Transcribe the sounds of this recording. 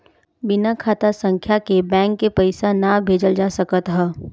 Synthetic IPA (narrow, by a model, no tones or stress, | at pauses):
bɪnakʰaːt̪asə̃ŋkʰjakebɛ̃ːŋkːepɐɪsanabʱeːd͡ʒəld͡ʒaːsəkət̪ɦɛː